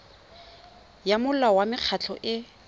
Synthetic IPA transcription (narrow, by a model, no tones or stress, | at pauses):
jamʊl̩lawamɪq͡χʰat͡ɬʰɔʔɪ